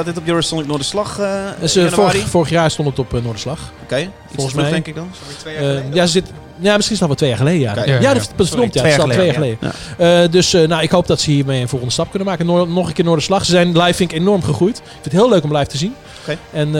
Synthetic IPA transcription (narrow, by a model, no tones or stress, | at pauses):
ɪtɔpjoɹəstɔntɪk̚noːdəslɑxsəffoːɹəχjaːrstontətɔpnoːdəslɑx | k | fɔlˠxəsmɛjɛŋkɪk | jasəzɪt | jamɪsχinstɔlʋɛltʋeːjaːχəlejdəjajadfədɔmtjatʋejaːxəleːdə̰ədøsnawɪkhowp̚dɔtsəhiːrmejənvɔlˠəndəstɑp̚kønəmaːkənnɔχənkɪːnoːɹdəslɑχsəzɛjnlɛjfɪntɪkenɔrmχəχrujtɪkfɪnthɪːəløːkɔmlɛjftəzin | ɛn